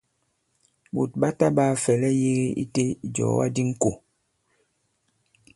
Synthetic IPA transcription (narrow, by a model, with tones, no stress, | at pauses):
bṵ˨t̚ɓa˦ta˦ba˦˨fɛ˨lɛ˦je˦ɣe˦ḭ˦te˦˨d͡ʒɔ̰˨˦wa̰˦di˦ŋ̩˦ko˨